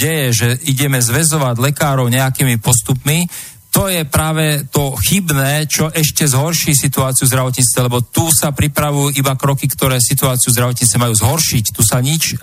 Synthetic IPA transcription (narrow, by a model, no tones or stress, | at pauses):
ɟɛjɛʒɛiɟɛmɛzʋɛzɔʋaɟlɛkaːɾɔʊɲɛakiːmipɔst̪upmi | t̪ɔjɛpɾaːʋɛt̪ɔxibnɛːt͡ʃɔʔɛʃcɛzɦɔɾʃiːsit̪uaːt͡siuvzd̪ɾaʋɔt̪ɲiːt͡st̪ʋɛlɛbɔt̪uːsapɾipɾaʋujuːʔibakɾɔkikt̪ɔɾɛːsit̪uaːt͡siuzd̪ɾaʋɔt̪ɲiːt͡st̪ːɛmajuːzɦɔɾʃict̪usaɲit͡ʃ